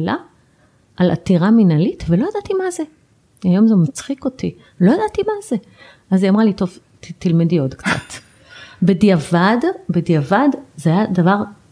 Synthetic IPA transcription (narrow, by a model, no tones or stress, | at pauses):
la | ʔala̰t̪iʁaminalitvelo̞jadat̪imaze | ajo̞mzemat͡sχiko̞ti | lo̞jadat̪imaze | aziamʁalito̞v | t̪ilmidiod̪kt͡sa̰t̪ | bediavadbediavadzeajadavaʁ